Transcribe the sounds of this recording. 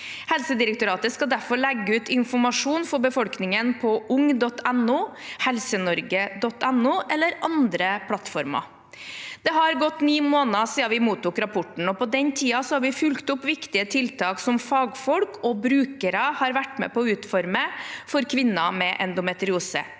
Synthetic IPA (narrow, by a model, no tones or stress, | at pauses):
hɛlsəd̪ɪɾək̚t̪ʊɾɑːt̪əskɑd̪æɾfɔɭɛɡːəʉːt̪ɪnfɔmɑʂuːnfɔɾbəfɔlknɪŋənpʰɔʔʊŋd̪ɔt̪ʰːɛnʊhɛlsənɔɾɡəd̪ɔt̪ːɛnːʊʔɛlːəɾʔɑnd̪ɾəpʰlɑt̪fɔɾmɑ̰ | d̪̥ɛhɑɾɡɔt̪ːniːmoːnɑsiːɑʋɪmuːt̪ːuːkɾɑpʰɔʈɳ̩ɔpɔd̪ɛnt̪ʰiːɑsɔhɑɾʋɪfʉlkt̪ʊpːʋɪkt̪ɪət̪ʰɪlt̪ʰɑːksɔmfɑːɡfɔlkʰɔbɾʉːkəɾɑhɑɾʋæʈːmɛ̰pɔʉːt̪fɔɾməfɔɾkʰʋɪnːɑmɛʔɛ̰nd̪ʊmɛt̪ɾɪuːsə̰